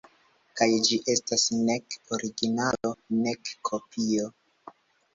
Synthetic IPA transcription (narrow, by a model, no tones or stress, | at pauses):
kajd͡ʒiʔe̞stasnekoɾiɡinalo̞nekːʰo̞pʰio̞